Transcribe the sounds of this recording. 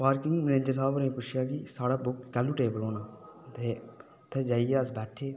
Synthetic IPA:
paːɾkɪŋmənẽːd͡ʒəɾsaːbnẽːpʊt͡ʃʰɪjaːkisaːɽaːbʊkkɛːlːuːʈeːbəloːnaːt̪eː | t̪ʰːeːd͡ʒaːijeːəsbɛːʈʰeː

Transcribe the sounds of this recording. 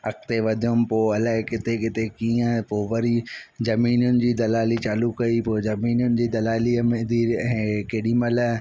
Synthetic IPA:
ɐkʰt̪eʋɐd̪ʱijʊmpoːɐlaɦɪkɪt̪ekɪt̪ekiːə̃poːʋɐɾizɐmiːnʊnɪ̆d͡ʑiːd̪ɐlaːlit͡ɕaːlukɐipoːd͡ʑɐmiːnʊnɪ̆d͡ʑiːd̪ɐlaːlimẽd̪ʱiːɦẽːkeːɗimɐl

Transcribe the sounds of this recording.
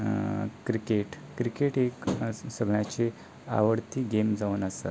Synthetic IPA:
kɾikeʈ | kɾikeʈeksəɡɳjat͡ɕe | a̰ʋəɽt̪iːɡemd͡zaunəsa̰t̪

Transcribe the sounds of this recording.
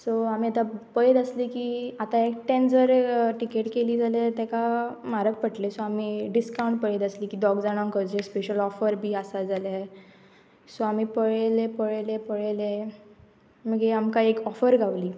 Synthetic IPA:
soamiːat̪apəɭet̪əslikiːat̪aekʈɛ̃nd͡zəɾʈikeʈkeliːd͡zalet̪ɛkamaɾək̚pəʈlesoamiːɖiskaw̃ɳʈ̚pəɭet̪əsliːkiːd̪ɔɡd͡zaɽ̃aŋkəd͡ʑespeɕəlɔfəɾbʱiːasad͡zala | soamipəɭelepəɭelepəɭele | məɡeamkaekɔfəɾɡʱaʋliː

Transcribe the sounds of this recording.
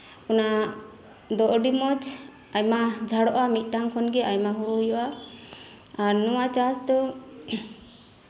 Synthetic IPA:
kɔna | d̪ɔʔɖimɔt͡ʃ | ajmad͡ʒʱaɽɔʔamit̪̚ˀʈaŋkʰɔnɡɛʔajmaɦuɾɔɦujɔʔa | aɾnɔwat͡ʃasd̪ɔ

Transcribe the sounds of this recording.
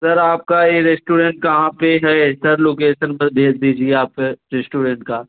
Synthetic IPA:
sɐɾaːp̚kajeɾesʈuːɖẽɳʈ̚kɐɦãpeɦɛsɐɾloːk̬eːʃənbɐbʱeːd͡ʒd̪iːd͡ʒieaːpeɾesʈuːɖẽɳʈkaː

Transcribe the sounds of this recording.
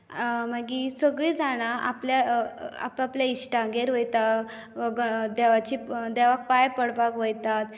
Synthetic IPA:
maɡisəɡɭiːd͡zaɽ̃aʔa̰pljaa̰papljaiɕʈaɡeɾɦojt̪aɡəd̪ɛʋat͡ɕid̪ɛʋak̚pajpəɽbakʋojt̪at̪

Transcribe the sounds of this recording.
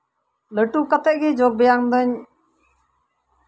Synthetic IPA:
ləʈukat̪ɛʔ̚ɡɛd͡ʒɔɡ̚bɛjaŋd̪ɔɲ

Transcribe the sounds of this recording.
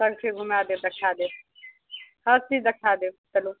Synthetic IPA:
səɡkʰeɡʱumad̪ed̪ekʰad̪e | hət͡ʃid̪ekʰad̪etəlu

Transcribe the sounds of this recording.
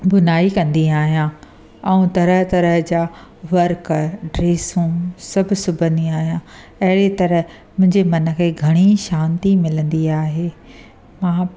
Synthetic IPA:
bʊnaːikɐ̃nd̪iaːɦijã | ɛ̃ũt̪ɐɾəɦt̪ɐɾəɦd͡ʑaːʋɐɾkɖɾeːsũsɐbʱɪsʊbʱə̃nd̪iaːɦijã | ɐɦɪɽet̪ɐɾəɦ | mʊ̃ɦɪ̃ɲd͡ʑemɐnə̆kʰeːɡʱɐɽ̃iʃãːnt̪imɪlə̃nd̪iaːɦeː | mãː

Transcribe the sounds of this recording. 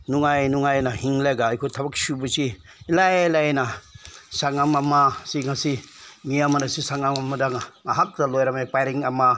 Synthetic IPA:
nuŋajnuŋajnahiŋlaɡaːjkʰojtʰɐbɐk̚subɐsiː | lajlajnasaŋamamasiŋasimiamɐnasisaŋamamadaŋaɦak̚tɐlojɾamajpajɾiŋama

